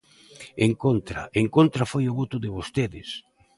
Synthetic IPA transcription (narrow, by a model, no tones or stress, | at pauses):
eŋkont̪ɾa̰eŋkont̪ɾafojʊβot̪ʊðɪβost̪eðɪs